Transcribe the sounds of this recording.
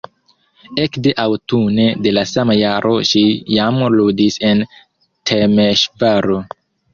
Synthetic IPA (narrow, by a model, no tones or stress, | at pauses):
ekde̞ʔawtune̞de̞lasamajaɾʔo̞ʃijamludisen | tʰemeʃvaɾo